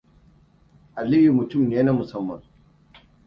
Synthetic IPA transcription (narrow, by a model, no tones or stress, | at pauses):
ɐlijumut͡ɕʰumneːnɐmusɐmːɐ̰n